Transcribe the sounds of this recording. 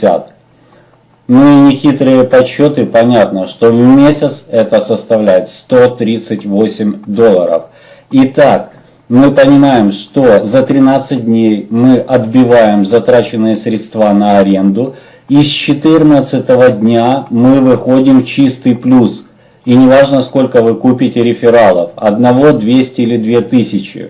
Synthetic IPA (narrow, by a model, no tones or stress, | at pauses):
a̰t̪ | noinʲɪxʲit̪ɾɨjəpɐt͡ɕːo̞t̪ɨpɐnʲat̪nəʂt̪o̞vmʲesʲɪt̪sɛt̪əsəst̪ɐvlʲæjɪt̪st̪o̞t̪ɾʲit̪sɨtʲvo̞sʲɪmʲd̪o̞lˠːəɾə̰f | ɪt̪ak | mɨpənʲɪmajɪmʂt̪o̞zət̪ɾʲɪnat̪sɨt̚ʲdʲnʲejmɨʔɐd̪bʲɪvajɪmzɐt̪ɾat͡ɕɪnːɨjəsɾʲɪt̪st̪vanəɐɾʲe̞nd̪ʊ | ist͡ɕɪt̪ɨrnət̪sɨt̪əvədʲnʲamɨvɨxo̞dʲɪmft͡ɕist̪ɨjplʲus | inʲɪvaʐnəsko̞lʲkəvɨkupʲɪtʲɪɾʲɪfʲɪɾalˠəfɐ̰d̪nɐvo̞d̪vʲesʲtʲɪilʲɪd̪vʲe̞t̪ɨsʲɪt͡ɕɪ̰